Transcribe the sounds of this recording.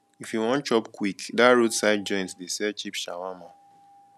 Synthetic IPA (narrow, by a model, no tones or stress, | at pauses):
ifjuwɔ̃nt͡ʃɔpkwikdaɹotsaɪd̚d͡ʒɔ̃ɪ̃ntdesɛt͡ʃipʃa̰wamã